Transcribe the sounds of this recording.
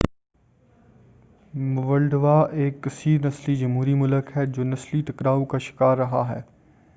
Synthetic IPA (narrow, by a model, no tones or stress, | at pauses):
ʋɐlɖʋaʔeːksiːɾnɐslid͡ʑɐmɦuːɾimʊləkɦɛːd͡ʑoːnɐslit̪ɐkɾaːũkaʃɪ̥kaːɾːɐɦaɦɛː